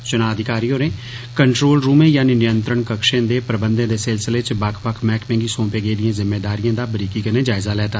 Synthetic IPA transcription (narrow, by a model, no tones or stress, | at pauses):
t͡ʃʊnaːəd̪ɪkaːɾiːoːɾẽː | kəɳʈɾoːlɾuːmẽːjaːninɪjənt̪ɾəɳkəkʃẽːd̪eːpɾəbənd̪ẽːd̪eːsɪlsəleːt͡ʃbəkʰbəkʰmɛːkmẽːɡiːsõːpeːɡeːd̪ijãːzɪmːeːd̪aːɾijãːd̪aːbəɾiːkiːkəneːd͡ʒaːɪzaːlɛːt̪aː